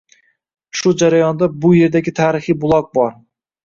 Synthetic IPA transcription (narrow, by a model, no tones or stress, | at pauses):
ʃʊd͡ʒaɾajɒnd̪abʊje̞ɾd̪aɡʲɪt̪ʰaːɾɪχɨbʊlˠɒk̚bɒɾ